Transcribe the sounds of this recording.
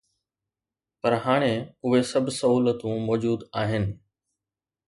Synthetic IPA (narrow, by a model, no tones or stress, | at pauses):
pɐɾɦaːɽ̃ẽʊɦesɐbʱsɐɦuːlət̪ũmɔːd͡ʑuːd̪aːɦɪnɪ̆